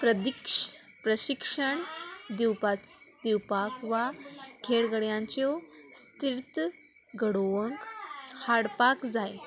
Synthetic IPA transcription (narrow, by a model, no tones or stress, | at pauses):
pɾəd̪ikʂ | pɾəɕikʂəɳd̪iwpad̪iwpakʋakʰeɽɡəɽjãɲt͡ɕo | st̪iɾt̪ | ɡəɽoʋəŋkhaɽpakd͡zaj